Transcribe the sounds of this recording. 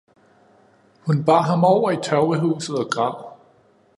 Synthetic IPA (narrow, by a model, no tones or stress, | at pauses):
hunb̥ɑ̈ːɦɑ̈mɒʊ̰ɐit͡sʰɑʊəɦṵːsð̩ˠɒɡ̥ʁɑ̈ʊ̰